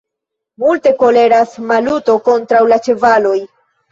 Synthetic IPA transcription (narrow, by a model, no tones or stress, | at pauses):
multe̞ko̞le̞ɾasmaluto̞ko̞ntɾawlat͡ʃe̞valo̞j